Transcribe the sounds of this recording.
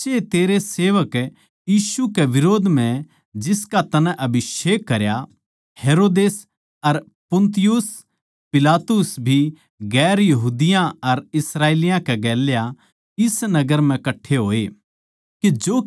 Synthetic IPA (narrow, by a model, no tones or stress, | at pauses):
t͡ʃet̪eːɾeseːʋək | jiːʃukeʋɪɾoːd̪m̤ɛ̃ | d͡ʒɪskat̪ɐnɛ̃ʔɐbʱɪʃeːkːɐɾja | heːɾoːd̪eːs | ɐɾ | pʊ̃nt̪ɪjʊs | pɪlaːt̪ʊsbʱi | ɡɛːɾjɐɦuːd̪ɪjãɐɾɪsɾaːeːlijãkɛɡɛːlja | ɪsnɐɡəɾm̤ɛ̃kɐʈʰːeɦoːe | kid͡ʒoː